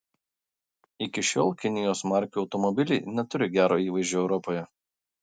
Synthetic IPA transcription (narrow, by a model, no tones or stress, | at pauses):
ɪkʲɪʃʲo̰ːlˠkʲɪnʲɪjoːsmɑˑɾʲkʲuɒʊt̪ɔmɔbʲɪlʲḭɪnʲɛt̪ʊɾʲɪɡʲæːɾoːiːʋɐɪʒʲuːɛʊɾɔpoːjɛ